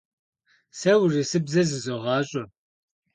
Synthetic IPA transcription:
sɐwrisɨbzɐzɨzoʁɑːɕʼɐ

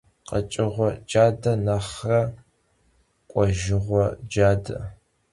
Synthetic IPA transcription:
qət͡ʃʼɪʁʷɔd͡ʒaːdɐnɐχrɐ | kʷʼɔʒɪʁʷɔd͡ʒaːdɐ̰

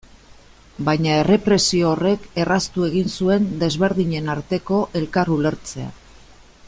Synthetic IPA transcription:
bajɲae̞re̞pɾe̞sio̞ːre̞ke̞rast̪ue̞ɣinsue̞nd̪e̞zβe̞ɾðiɲe̞naɾt̪e̞ko̞ʔe̞lkarule̞ɾt͡se̞a̰

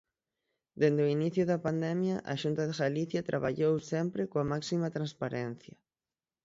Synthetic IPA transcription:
d̪end̪eoiniθjʊðɐpand̪ɛmjɐʔa̰ʃunt̪ɐðeɣaliθjɐt̪ɾʔaβa̰ʎowsɛmpɾɪkoamaksimɐt̪ɾanspaɾɛn̟θjɐ

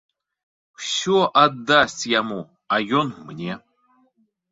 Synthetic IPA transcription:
fsʲoʔad̪ːasʲtʲjamu | ajɔnmnʲe

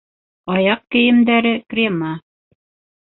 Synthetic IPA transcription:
ɑjɑq̚kɘ̆jɘ̆md̪æɾɘkrʲemə

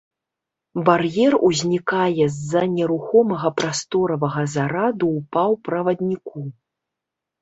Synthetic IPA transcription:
barjɛruzʲnʲikajɛzːɐnʲɛɾuxɔmɐɣɐpɾast̪ɔɾɐvɐɣɐzaɾad̪uːpawpɾɐvɐd̪nʲiku

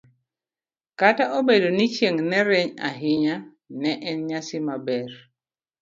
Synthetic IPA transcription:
kataʔobedonit͡ʃjeŋnɛɾɛɲa̰ɦɪɲa | nɛʔɛnɲasɪmabɛr

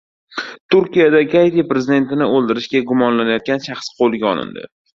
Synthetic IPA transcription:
t̪ʰʊɾkʲijad̪akʲʰajt̪ipɾe̞zid̪e̞nt̪ɪnɪolˠd̪ɪɾɪʃɡʲaɡʊmɒnlanajɒt̪̚ɡʲanʃɑχsqʰolˠɪɡʲaɒ̰lˠɪ̰nd̪ɪ̰

